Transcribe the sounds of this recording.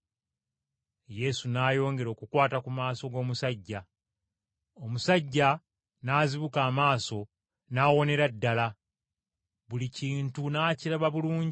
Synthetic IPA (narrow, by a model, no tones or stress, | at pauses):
je̞sunaːjo̞ːŋɡe̞ɾo̞ːkukwaːtakumaːso̞ɡo̞ːmusaɟːa | o̞musaɟːa | naːziβukaːmaːso̞ | naːwo̞ne̞ɾadːala | βuliciːntunaːciɾaβaβuluːɲɟ